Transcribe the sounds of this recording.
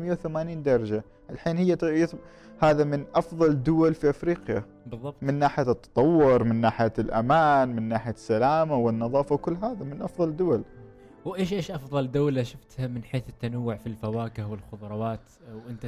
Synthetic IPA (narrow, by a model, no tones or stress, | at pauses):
mɪjːawθamaːniːnd̪ɑɾˤɑd͡ʒa | ʔɪlħiːnhɪjːat̪ɪ | haːðamɪnʔɑfðˤɑld̪ʊwalfiʔafɾiːqja̰ | bɨððˤːɑb̚tmɪnːaːħɪjat̪ːɑ̥t̪ˤɑwːʊɾmɪnːaːħɪjalʔamaːnmɪnːaːħɪjasːalaːmawɪnːɑðˤɑːfawkʊlːɦaːðamɪnʔɑfðˤɑld̪ːʊwal | wʔeːʃʔeːʃʔɑfðˤɑld̪awːlaʃʊft̪hamɪnħeːθɪt̪ːanawːʊʕfilfawaːkɪhwɪlxʊðˤɾˤɑwaːt̪ | wʔɪnt̪a